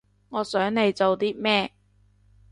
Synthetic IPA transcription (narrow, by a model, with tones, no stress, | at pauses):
ŋɔː˨˧sœː˨˥ŋne˨˧jt͡so˨wt̪iː˥mɛː˥